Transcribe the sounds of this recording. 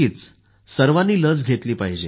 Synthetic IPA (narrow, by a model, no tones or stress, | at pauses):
iːt͡s | səɾʋanːiːləd͡zɡʱet̪liːpaɦid͡ʑe